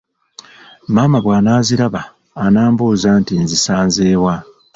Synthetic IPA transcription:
maːmaβwaːnaːziɾaβaː | naːmboːzantinzisaːnze̞ːwa

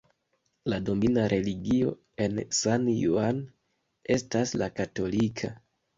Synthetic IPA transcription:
lado̞minaɾʔe̞liɡio̞̰ | e̞nsanjṵan | e̞staslakato̞likʰa

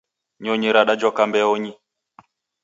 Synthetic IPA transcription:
ɲɔɲiɾaɗad͡ʒɔkambɛɔɲi

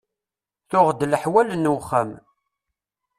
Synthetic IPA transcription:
θʊʁd̪ləħwælnuwχːəm

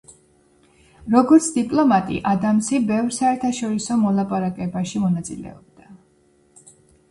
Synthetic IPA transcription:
ɾɔɡɔɾt̪sʰd̪ipʼlˠɔmat̪ʼḭʔad̪amsibɛvɾsaɛɾt̪ʰaʃɔɾisɔmɔlˠapʼaɾakʼɛbaʃimɔnat̪sʼḭlɛ̰ɔb̚d̪̥a

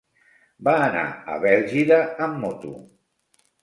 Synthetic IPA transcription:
baːna̰ə̰βɛlʒiðəːmːɔt̪ṵ

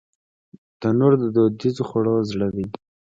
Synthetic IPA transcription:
t̪anoɾd̪əd̪od̪izoxaɽɑzɽədi

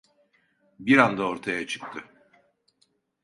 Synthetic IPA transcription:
biɾand̪ao̞ɾt̪ʰajat͡ʃʰɯ̥k̚t̪ʰɯ

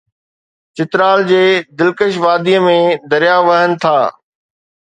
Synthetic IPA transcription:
t͡ɕɪt̪ɾaːld͡ʑeːd̪ɪlkəʃ̬ʋaːd̪iːəmẽd̪ɐɾjaʋɐɦənɪ̆t̪ʰaː

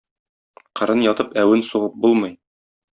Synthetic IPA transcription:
qɤ̆ɾɤnjɒt̪ɤpæwɘnsuʁɤp̚bulˠmɤ̆j

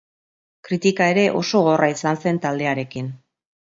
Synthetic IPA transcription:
kɾit̪ikae̞ɾe̞ʔo̞so̞ɣ̞oraisanse̞nt̪ald̪e̞aɾe̞kin

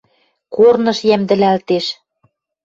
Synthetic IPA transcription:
kornɤ̆ʃjæmd̪ɘ̆lælt̪eʃ

